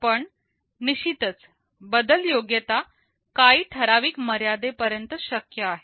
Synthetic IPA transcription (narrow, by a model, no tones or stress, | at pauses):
pəɳ | niɕit̪ət͡s | bəd̪əljoɡjət̪a | kaiːʈʰəɾaʋiːkməɾjad̪epəɾjənt̪əɕəkjəaɦe